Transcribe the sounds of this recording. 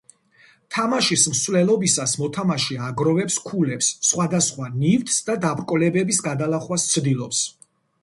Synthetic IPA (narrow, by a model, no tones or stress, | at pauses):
t̪ʰamaʃism̩svlɛlˠɔbisasmɔt̪ʰamaʃiaɡɾɔvɛpskʰulɛpsːχwad̪asχwanivt̪ʼsd̪ad̪abɾkʼɔlɛbɛbisɡad̪alˠaχwast̪sʰd̪ilˠɔps